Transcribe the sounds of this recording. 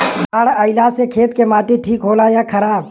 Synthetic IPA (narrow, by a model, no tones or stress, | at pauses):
baːɽəɪlasekʰeːt̪kemaːʈiʈʰiːkɦoːlajakʰɐɾaːb